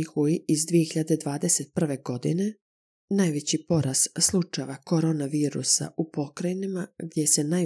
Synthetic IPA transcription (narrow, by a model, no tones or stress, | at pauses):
ixuiizd̪ʋije̞xiʎad̪ed̪ʋaːd̪ese̞t̪̚pr̩ʋe̞ɡo̞d̪ḭne̞ | najʋe̞t͡ɕipo̞ɾʔasslˠut͡ʃajʋako̞ɾonaʋiːɾṵsa̰ʔupo̞kɾainimaɡd̪ʲjese̞naj